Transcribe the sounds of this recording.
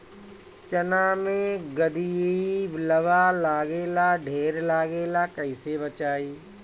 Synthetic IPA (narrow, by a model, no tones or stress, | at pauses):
t͡ʃɐnãmẽɡəd̪iibləʋaːlaːɡeːlaːɖʱeːɾlaːɡeːlaːkɐisebət͡ʃaːiː